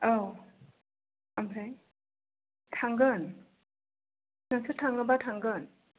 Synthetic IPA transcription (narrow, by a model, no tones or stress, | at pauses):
aw | amɾaj | tʰaŋɡɯn | naŋsɯtʰaŋɯbatʰaŋɡɯn